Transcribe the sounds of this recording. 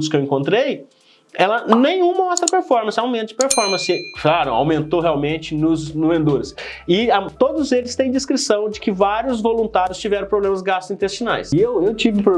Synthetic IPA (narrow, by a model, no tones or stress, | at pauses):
d̪ʊskewĩŋkõnt̪ɾej | ɛlɐnẽj̃ũmɐɔst̪ɾɐpeɾfɔɾmɐ̃sɪawmẽnt̪ɐd͡ʒɪpeɾfɔɾmɐ̃sɪklaɾʊ̰a̰wmẽnt̪oɦeawmẽnt͡ʃɪnʊznʊvẽnd̪uɾɐsɪat̪od̪ʊzelɪst̪ẽj̃d͡ʒ̪ɪskɾisɐ̃w̃d͡ʒɪkɪvaɾjʊzvolũnt̪aɾjʊst͡ʃivɛɾɐ̃pɾoblẽmɐsɡast̪ʊzĩnt̪est͡ʃina̰jsewewt͡ʃivɪ̃po